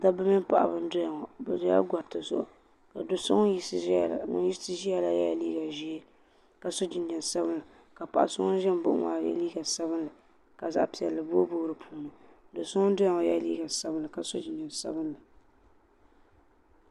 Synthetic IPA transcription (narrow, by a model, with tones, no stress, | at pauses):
da˦bɨ˦mɪ˦pa̰˨ʔa̰˨bɨ˦n˦dʊ˦ja˨ŋɔ˨bɛ˨dʊ˦ja̰˦ɡa˨ɾtɨ˨zo̰˦ʔ | ka˨do˨so̰˦ŋ˦ji˦˨ŋʊ̰˦nji˦sɨ˦ʒi˦ja˦la˦ja̰˦liː˦ɡa˨ʒi˦e˦ | ka˨so˦d͡ʒɪ˨nd͡ʒɛ˨nsa˦bɨ˦nla˨ | ka˨pa̰˨ʔa˨sʊ˦ŋɔ˦n˦ʒɛ˦m˦bʊ̰˦ʔʊ̰˦ma̰ː˨ja̰˦liː˦ɡa˨sa˦bɨ˦nla˨ | ka˨za̰˨ʔpi˨ɛ˨lːɨ˨bo˦o˦bʊ˦ɾɨ˨pʰuː˦nɨ˨ | do˨sʊ˦ŋɔ˦n˦do˦ja˨ŋɔ˨ja̰˦liː˦ɡa˨sa˦bɨ˦nla˨ka˨so̰˦d͡ʒɪ˨nd͡ʒɛ˨n˨sa̰˦bɨ˦nla˨